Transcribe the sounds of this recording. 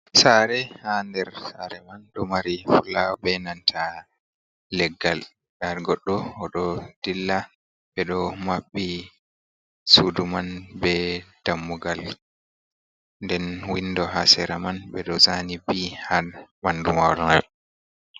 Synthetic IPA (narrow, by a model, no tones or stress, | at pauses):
saɾɛhandɛɾsaɾɛmanɗɔmaɾifulawbɛnantʰa | lɛɡːal | ʔaɾɡɔɗːɔhɔɗɔd̥ilːa | ɓɛɗɔmaɓːi | sudumanbɛd̥amːuɡal | ndɛnwindɔɦasɛɾamanɓɛɗɔzanibihanmandumawɾɔna